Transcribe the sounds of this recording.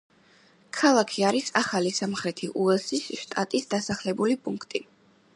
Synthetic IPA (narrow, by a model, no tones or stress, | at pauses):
kʰalˠakʰiaɾisaχalisamχɾɛt̪ʰiʔuɛlsisʃt̪ʼat̪ʼisd̪asaχlɛbulipʼuŋkʰt̪ʼi